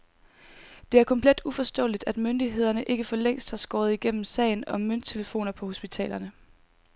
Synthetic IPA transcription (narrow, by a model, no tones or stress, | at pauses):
d̥e̝æɐkʰɒ̽mpʰled̥ufɒ̽sd̥ɔ̰̽ːlid̥æd̥mønd̥iɦe̝ð̞ˠɐnəʔe̝ɡ̥əfɒ̽leŋ̰sd̥hɑ̈sɡ̥ɒ̰ːðˠiɡ̥em̰m̩sɛ̰ɪnɒ̽møn̰d̥̚t͡sʰe̝ləfo̝̰ːnɐpʰɒ̽ho̝sb̥it͡sʰɛ̰ːlɐnə